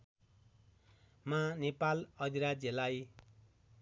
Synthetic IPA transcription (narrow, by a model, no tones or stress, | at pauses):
manepalʌd̪iɾad͡zʌlaj